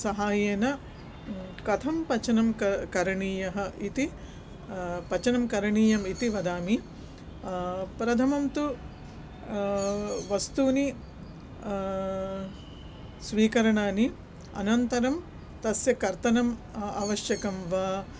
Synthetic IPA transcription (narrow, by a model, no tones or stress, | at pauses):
sɐɦaːjeːnɐ | kɐt̪ʰɐmpɐt͡ʃɐnɐmkkɐɾɐɳiːjɐɦɐ̆ʔit̪i | pɐt͡ʃɐnɐmkɐɾɐɳiːjɐmit̪iʋɐd̪aːmi | pɾɐt̪ʰɐmɐmt̪u | ʋɐst̪uːni | sʋiːkɐɾɐɳaːni | ɐ̰nɐnt̪ɐɾɐm | t̪ɐsjɐkɐɾt̪ɐnɐm | a̰ːʋɐʃjɐkɐmʋɐ